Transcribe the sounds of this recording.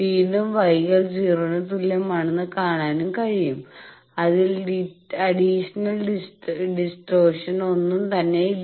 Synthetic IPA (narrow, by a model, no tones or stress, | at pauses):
iːðumʋɐjɣɐlt͡ɕiːruɳɨt̪ːulːemɐɳɐnːɨkaːɳaːnumkɐɻijum | ɐðilɖiɐɖiʂɐnɐlisɖisʈoːʂɐno̞nːumt̪ɐnːe̞